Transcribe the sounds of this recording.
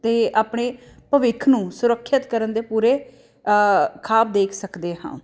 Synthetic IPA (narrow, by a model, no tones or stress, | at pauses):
t̪eːaːpɳeː | pəʋɪkʰnũːsʊɾəkʰːət̪kəɾənd̪eːpuːɾeː | kʰaːp̚d̪eːkʰsəkd̪eːɦã̰ː